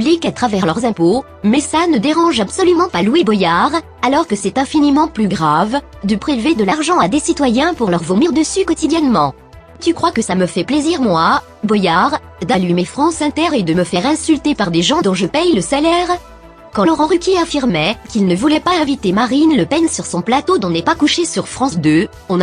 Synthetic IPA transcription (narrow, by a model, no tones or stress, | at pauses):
blikat̪χavɛʁlœʁzɛ̃po | mɛsanəd̪eʁɑ̃ʒabsɔlymɑ̃palwibɔjaʁ | alɔʁkəsɛt̪ɛ̃finimɑ̃plyɡʁavd̪əpχilved̪əlaʁʒɑ̃ad̪esit̪wajɛ̃puʁlœʁvomiʁd̪əsykɔt̪id̪jɛnmɑ̃ | t̪ykχwakəsaməfɛpleziʁmwa | bɔjaʁ | d̪alymefχɑ̃sɛ̃t̪ɛʁed̪əməfɛʁɛ̃sylt̪epaʁd̪eʒɑ̃d̪ɔ̃ʒəpɛjləsalɛʁ | kɑ̃lɔʁɑ̃ʁykʲjeafiʁmɛkʲilnəvulɛpaɛ̃vit̪emaʁinləpɛnsyʁsɔ̃plat̪od̪ɔ̃nɛpakuʃesyʁfχɑ̃sd̪ø | ɔ̃n